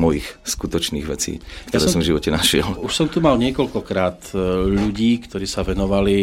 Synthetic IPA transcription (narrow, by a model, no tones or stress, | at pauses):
mɔjixskut̪ɔt͡ʃniːɣʋɛt͡sḭːkt̪aɔɛːsɔmvʒiʋɔcɛnaʃɪɛluʃsɔmt̪umalɲɪɛkɔʎkɔkɾaːt̪ʎuɟiːkt̪ɔɾiːsaʋɛnɔʋali